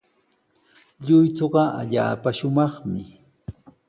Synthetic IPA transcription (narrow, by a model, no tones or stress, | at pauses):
ʎʊjt͡soɢɑʔa̰ʎa̰ːpaʃʊmɑχmɪ